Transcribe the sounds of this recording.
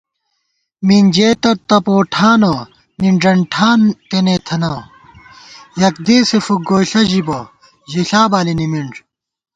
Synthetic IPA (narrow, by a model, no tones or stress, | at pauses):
mind͡ʑeːt̪ɐt̪ɐpoːʈʰaːnɐ | miɳɖɐɳʈʰaːnt̪enet̪ʰɐnɐ | jɐk̚d̪eːsefuɡoːɬɐʑibɐ | ʑiɬaːbaːlinimiɳɖ